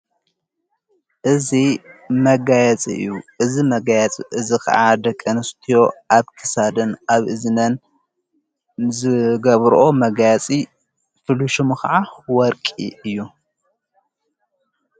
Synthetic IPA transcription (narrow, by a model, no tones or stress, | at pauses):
ʔɨzimɐɡajɛt͡sʼḭɨ̰jːuʔɨzimɐɡajɛt͡sʼʔɨzikʰɐ̰ʕad̪ɐkʼːɐnɨst̪ʰijo̞ʔaβkʰɨ̥sad̪ɨnaβʔɨznɐn | zɨɡɐβɾʔo̞mɐɡajat͡sʼi | fɨluʃumuxɐʕawɔɾkʼḭɨjːu